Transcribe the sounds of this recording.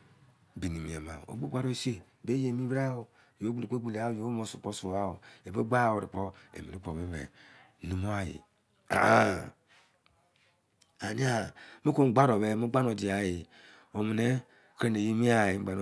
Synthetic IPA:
bi˨ni˨mi˨a˨ma̰˨o̰˨bu˦ɡ͡ba˦ɾo˦˨se˦˨be˦je˨mi˦ba˦o˨ | jo˦ɡ͡bu˦li˨ko˦ɡ͡bu˦˨le˨a˦˨jo˦mo˦su˨k͡po˦su˨a˦o˨e˨bo˦ɡ͡ba˦˨wo˨ɾḭ˨k͡po˦ḛ˨mi˨ɾi˦k͡po˨βe˦βḛ˨˦ | nu˨mo˦a˦jḭ˨ | a̰˨˦ | a˨ni˦a˦mi˦ko˦ɡ͡ba˦ɾo˨βe˨mu˦ɡ͡ba˦no˨di˨a˨ji˨ | o˨mi˨ne˦ | kɾe˦n˨e˨ji˦mi˦a˦˨ji˨˦a˨n˦

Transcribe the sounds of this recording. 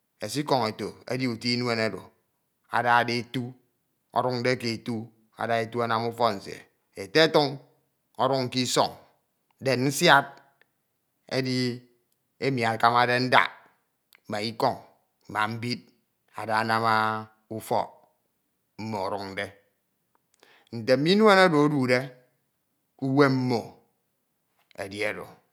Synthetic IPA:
e˨si˦kɔ˨ŋe˨to˨ḛ˦di˦u˨ti˦nwe˦ne˦do̰˨ | a̰˨da˦˨de˦e˨tu˦ | ɔ̰˦ɾu˦kn̩˦de˦ke˨e˨tu˦ | a̰˨da˦e˦tu˦a˦na˦mu˦fɔ˦n̩˨sḛ˨ | e˨te˦tu˦ŋ | ɔ˦ɾu˦ŋŋ̩˦ki˦sɔ˦˨ŋ˦ | de˨nn̩˦sja˦t̚ | ḛ˦di˦ | e˦mi˨a˨ka˦ma˨de˦n̩˦da̰˦˨ | ma˨i˦kɔ˦ŋ | m̩˨a̰˨m̩˦bi˦t̚ | a̰˨da˨a˨na˦ma˦ | u˦fɔ̰˦ | m̩˦mo˨ɔ˨ɾu˦kn̩˨de˦ | n̩˨te˨m̩˦mi˦nwe˦na˦do˨o˦du˨de˦ | u˦we˦m̩˦mo˨ | ḛ˨di˦˨e˨do̰˨

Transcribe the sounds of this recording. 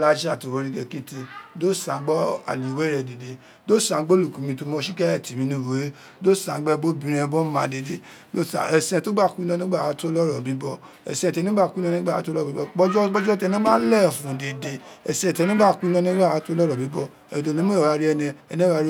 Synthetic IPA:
la˧d͡ʒa˦˨to˨wo˧ɾi˧ɡɛ˧˨kĩ˦te˧do˦˨sã˨˦ɡ͡bɔ˦a̰˨li˨wɛ˦ɾɛ˧˨de˨de˨ | do˦sã˨˦ɡ͡bo˦lu˦˨kũ˨mĩ˧to˧mɔ̃˧˦ʃi˦kɛ˦ɛ˦˨ti˨mĩ˧nũ˦˨bo˨˦e˦ | do˦˨sã˨˦ɡ͡bɛ˦˧bo˦bĩ˨˦ɾɛ̃˧bɔ˦mã˧˦de˨de˨ | do˦˨sa̰˨ɛ˨sɛ̃˧˨to˦ba˦˨ku˦i˦lɔ̃˦˧nĩ˦ɡ͡ba˦˨a˨˦to˦lɔ˦ɾɔ˨bĩ˨˦bɔ˦ | ɛ̰˨sɛ̃˧˨tɛ˧nĩ˦ba˦˨ku˦lɔ̃˧˦nĩ˦ɡ͡ba˦˨a˨˦to˦lɔ˦ɔ˨i˨˦ɔ˧k͡pɔ˦d͡ʒɔ˦ɡ͡bɔ˦d͡ʒɔ˦tɛ˧nĩ˦mã˦lɛ˦˨fũ˨de˨de˧ɛ̰˨sɛ̃˨tɛ˧nũ˦ba˦˨ku˦lɔ̃˦nĩ˦ɡ͡ba˦˨a˨˦to˦lɔ˦ɾɔ˨bi˨˦bɔ˧ | ɛ˨do˨˧˨nĩ˨˦mõ˦˨wa˨˦ɾi˦ɛ˧nɛ̃˧ɛ˧nĩ˦a˦ɾ

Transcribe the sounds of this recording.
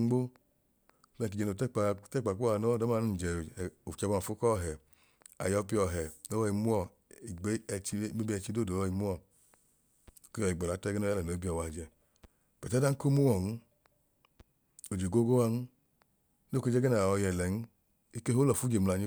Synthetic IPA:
ɡ͡bo˦ | ɛ˦˧˨ki˨d͡ʒɛ˧no˨tk͡ptɛ˦˨k͡pa˨ku˦a˨no˦˨dɔ˦ma˧˦nu˦˨d͡ʒɛ˨o˨t͡ʃa˧ba˧ma˨fu˦kɔ˦˨ɦɛ˨ | a̰˨jɔ˧˦pi˧˦ɔ˧˨ɦɛ˨no˦wɔ˧i˧mu˦ɔ˦˨ | i˨ɡ͡be˦˧t͡ʃi˧˦me˦bi˧˦ɛ˧t͡ʃi˧˦do˦dɔ˧i˧mu˦ɔ˦˨ | ko˦jɔ˨i˨ɡ͡bɔ˨la˨˦tɛ˦ɡɛ˦nɔ˦a˦lɛ˨no˨i˦bi˦ɔ˨wa˨d͡ʒɛ˧˨ | b̥ɛ˨ta˦da˦ŋ̩˦ko˦mu˦wɔ˨nu˦ | o˨d͡ʒe˨ɡo˦ɡo˦wa˧n̩˦ | n˦o˦ke˧d͡ʒɛ˦ɡɛ˦na˨ɔ˧jɛ˨lɛ˨n̩˦ | i˦ke˦ɦo˦lɔ˨fu˦d͡ʒe˨m̩˨la˧˨ɲi˧˦

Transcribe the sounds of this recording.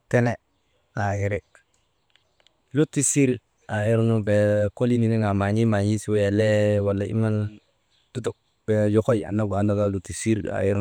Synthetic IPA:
te˦ne˦˨ | ŋa˨ji˨ɾi˨k | lu˦ti˦si˦ɾ | a˨ji˦ɾnu˦be˨ko˦li˦ni˦ni˦ŋa˨ma˨ɲi˦ma˨ɲi˦si˦wje˨le˦wa˨lːa˦ḭ˦ma˦n˦ | d̥u˦tu˦˨k̚ | b̥e˨jo˦ko˦ji˨a̰˨nːa˦ɡa˨˦na˦ka˦lu˦ti˨si˦ɾa̰˨ji˦ɾ

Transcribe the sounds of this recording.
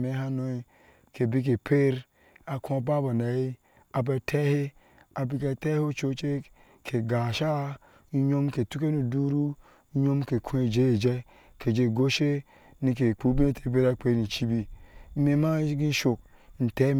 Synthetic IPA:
me˨˦ha˦no˨i˨ | ke˨bi˦k̬e˨pʰe˦ɾ | a˨kũ˦a˨ba˦ba˨ne˨i˦ | a˨b̬e˨tʰɛ˦he˦ | a˨bi˦k̬e˨te˦ho˦t͡ʃo˦t͡ʃe˦ | kʰe˨ɡa˨ʃa˦ | ɲo˦mke˨tu˦ke˦nu˨du˦ɾu˦ | ɲo˦mke˨kʰũ˦e˨d͡ʒe˦e˨d͡ʒe˦ | ke˨d͡ʒe˨ɡo˦ʃe˦ | ni˨k̬e˨k͡pu˦bi˦e˦tʰe˨be˦ɾa˦˨k͡pe˨˦ni˨t͡ʃi˦bi˦me˦ma˦ɡi˦ʃo˨k̚n̩˨te˦

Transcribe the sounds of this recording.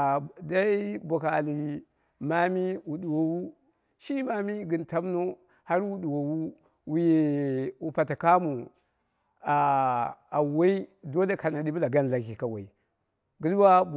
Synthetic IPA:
da˦i˦bo˨ka˨li˨ | ma˦mi˦wu˨du˨wo˨wu˦ | ʃi˦ma˦mi˦ɡi˨nta˦m˦no˦ | ha˦ɾwu˨ɗu˨wo˨wu˦ | wu˨je˨u˨pa˨ta˨ka˦mu˨ | a˨a˨wa˦i˦do˦la˦ka˨na˨di˦bla˨ɡa˦n˨la˨ki˨ka˨wa˨i˨ | ɡu˦lwa˦˨

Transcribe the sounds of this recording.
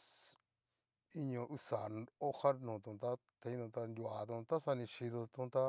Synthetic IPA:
i˧ɲõ˧ʔu˧sa˨o˦ha˦nũ˨t̪ũ˨t̪a˦ | t̪e˧ĩ˦t̪ũ˧t̪a˧nd̪ʲu˧˨a˨t̪ũ˧t̪a˦sa˧nĩ˧ʃi˧ðo˧t̪ũ˧˦t̪a˦

